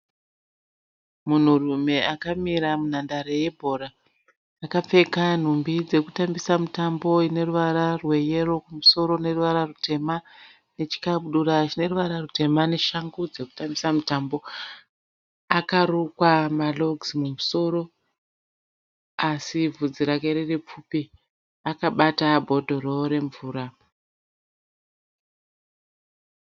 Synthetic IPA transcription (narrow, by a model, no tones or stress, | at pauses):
mun̤urume̞akamiɾamun̤andaɾe̞je̞bʱo̞ɾaː | kap͡fe̞kan̤umbid͡ze̞kutambisamutambo̞ine̞ruʋaɾarwe̞je̞ro̞kumuso̞ɾo̞ne̞ruʋaɾarutʰe̞ma | ne̞t͡ʃi̥kaɓuɗuɾat͡ʃine̞ruʋaɾarute̞mane̞ʃaŋɡud͡ze̞ku̥tambisamitambo̞ | akarukwamalo̞ɡzimumuso̞ɾo̞ | asivʱud͡ziɾakeɾerep͡fupi | akaɓatabʱo̞dʱo̞roɾe̞ɱvuːɾa